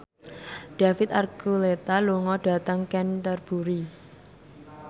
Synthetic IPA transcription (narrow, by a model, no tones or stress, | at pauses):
ɖ̥a̤fɪt̪arkulet̪aluŋɔɖ̥a̤t̪əŋkɛnt̪ərb̥uɾi